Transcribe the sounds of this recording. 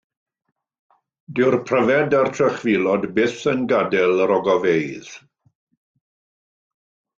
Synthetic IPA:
dɪwrpʰrəvɛdartʰrəχvilˠɔdbɪθənɡadɛlˠəɾɔɡɔvejð̥

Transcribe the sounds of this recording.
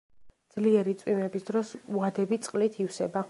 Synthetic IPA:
d̪z̥liɛɾit̪sʼwimɛbisd̪ɾɔsuad̪ɛbit̪sʼqʼlit̪ʰifsɛba

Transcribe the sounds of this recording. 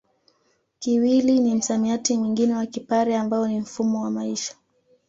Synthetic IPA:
kiwilinim̩samiatimwiŋɡinɛwakipaɾɛambaɔnim̩fumɔwamaiʃḁ

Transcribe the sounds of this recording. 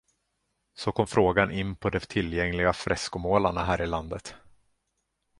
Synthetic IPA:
sɔkʰɔmfɾoːɡanʔɪnːpʰɔd̪ɛt̪ʰɪlːjɛŋlɪɡafɾɛskʊmoːlaɳaɦæːɾɪland̪ət̪

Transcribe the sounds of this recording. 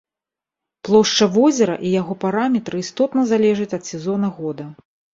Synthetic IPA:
plˠɔʂt͡ʂɐvɔzʲɛɾɐ̰ʔijaɣɔpaɾamʲɛt̪ɾɨist̪ɔt̪nɐzalʲɛʐɐt͡sʲɐt̪sʲɛzɔnɐɣɔd̪ɐ

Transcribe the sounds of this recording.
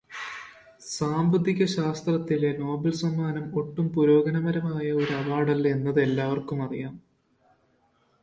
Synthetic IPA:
saːmbɐd̪iɣʲɐɕaːst̪rɐt̪ːileno̞ːbɐlsɐmːaːnɐmo̞ʈːumpuɾo̞ːɡɐnɐmɐɾɐmaːjɐo̞ɾuɐbaːɽɐle̞nːɐðe̞lːaːʋɐrkumɐrḭjaːm

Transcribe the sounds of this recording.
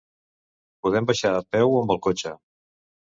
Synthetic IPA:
puðɛmbəʃaəpɛwəmbəlˠkot͡ʃə

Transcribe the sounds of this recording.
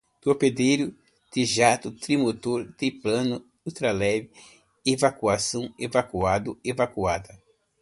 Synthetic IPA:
t̪oped̪ejɾʊ | t̪ɪʒat̪ʊt̪ɾimot̪oɾt̪eplɐ̃nʊ | ut̪ɾalɛvɪ | evakuasɐ̃w̃evakuad̪ʊevakuad̪ɐ

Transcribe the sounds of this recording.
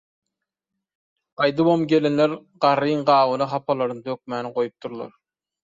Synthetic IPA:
ɑjd̪ɯbomɡʲelenleɾɢɑɾɯjɴɢɑːwɯnɨɦɑpʰɑlˠɑɾnɯt̪ʰøk̚ʲmæːnɪqojup̚t̪ʰuɾlˠɑ̰ɾ

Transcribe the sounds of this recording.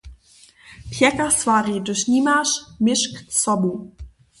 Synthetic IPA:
pʰjɛkasvaʁidɨʃɲiːmaʃmɪʃksɔbu

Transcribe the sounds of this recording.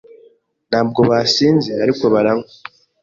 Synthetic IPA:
n̥aːb̚ɡo̞βasiːnzeaɾiko̞βaɾaŋɡo

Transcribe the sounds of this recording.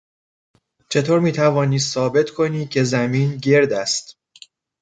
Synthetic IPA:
t͡ʃʰe̞t̪ʰoːɾmiːt̪ʰævɒːniːssɒːbe̞t̪ʰkʰo̞niːcʲʰe̞zæmiːnɟe̞ɾd̪æst̪

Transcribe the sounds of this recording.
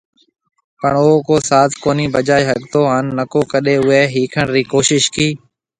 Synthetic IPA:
pəɳʊɦoːkoːsaːt̪ʰkoːniːbəd͡ʒaːjɦəɠt̪oːɦənːəkoːkəɗeːʊɦeːɦiːkʰəɳɾiːkoːʃɪʃkiː

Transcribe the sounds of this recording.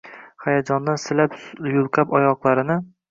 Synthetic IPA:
hajad͡ʒɒnd̪ansɪlapjʊlˠqʰapɒjɒqlˠaɾɪnɪ

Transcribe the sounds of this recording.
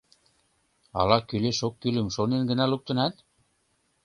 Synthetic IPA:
ɑ̰lɑkyleʃokːylɘ̆mʃonenɡə̆næluk̚t̪ɤ̆næt̪̚

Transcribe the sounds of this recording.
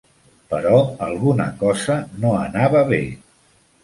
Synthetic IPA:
pəɾɔəlˠɣunə̰kɔzənoənaβəβḛ

